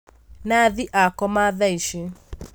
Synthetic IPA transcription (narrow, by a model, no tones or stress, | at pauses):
naðiʔakɔmaðaiʃe